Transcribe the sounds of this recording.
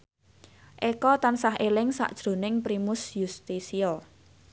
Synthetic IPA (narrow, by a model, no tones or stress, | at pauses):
ʔekɔt̪ansaɦelɪŋsa̰ʔd̥ʒ̥ɾo̤nɪŋpɾimʊsjust̪isiɔ